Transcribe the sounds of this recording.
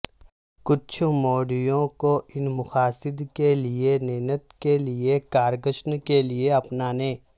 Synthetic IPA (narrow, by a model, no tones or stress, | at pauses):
kʊt͡ʃʰmoːɖijõkoʔɪnmʊxaːsɪd̪kelienɛɦnət̪keliekaːɾɡəʃnkelieɐpnaːnẽː